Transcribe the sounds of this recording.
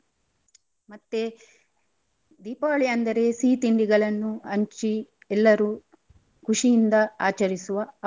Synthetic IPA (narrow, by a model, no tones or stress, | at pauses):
mɐt̪ːe | d̪iːpaːɭijɐnd̪ɐɾe̞siːt̪iɳɖiɡɐɭɐnːuɐɲt͡ʃi | ɛlːɐɾu | kuʂijind̪ɐaːt͡ʃɐɾisuʋɐ